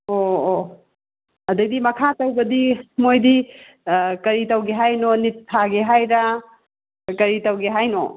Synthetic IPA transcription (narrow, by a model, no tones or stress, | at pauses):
oː | ɐdɐɡ̚dimɐkʰatɐwbɐdimojdi | kɐɾitɐwɡeɦajnonitʰːaɡeɦajɾa | kɐɾitɐwɡeɦajno